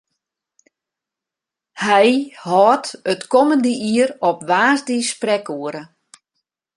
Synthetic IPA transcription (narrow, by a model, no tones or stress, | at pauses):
hɛjhɔːtətkɔməndəʔiəɾɔpʋaːzdisprɛkuəɾə